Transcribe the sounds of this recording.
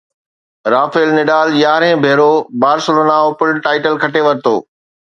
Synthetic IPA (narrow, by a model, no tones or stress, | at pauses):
ɾaːfelnɪɖaːljaːɾɦẽːbʱeːɾobaːɾsʊloːnãːopʊlʈaːɪʈəlkʰɐʈeʋɐɾɪt̪oː